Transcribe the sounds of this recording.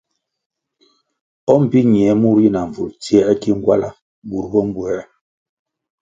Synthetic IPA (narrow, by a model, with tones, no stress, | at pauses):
ɔ˦m̩˨pi˦ɲi˨ɛ˨˦mu˦ɾi˦na˨ɱ̩˨vu˨lt͡si˦ɛ˦a˦ki˦ŋ̩˦ɡwa̰˦la˦ | bu˨ɾbɔ˦m̩˦bwɛ˦